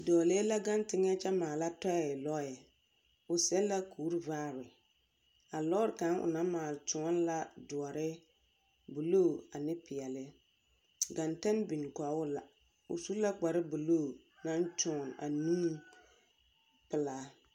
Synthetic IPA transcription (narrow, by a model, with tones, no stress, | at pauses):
dɔː˨le˦la˦ɡa˦ntɪ˦ŋɛ˦t͡ʃɛ˦maː˨la˦tɔ˦jɛ˦ɪ˨lɔ˦jɛ˨ | ʊ˨sɛ˦la˦kʰuː˨˦ɾvaː˦˨ɾɪ˨ | a˨lɔ˦ɾɪ˨ka˨˦nʊ̰˨na˦maː˨lt͡ʃʊ˨˦ɔ˦n˦la˦dʊ˨ɔ˨ɾɪ˦ | bu˨loː˦˨a˨nɪ˦pɪ˨ɛ˨lɪ˦ | ɡa˨ntɛ˦nbi˨nka˨˦ʊ˦la˨ | ʊ̰˨su˦la˦k͡pa˨ɾɪ˦bu˨lo˦˨ | na˦n˦t͡ʃʊ˨na̰˨nĩ˦ | pɪ˨laː˦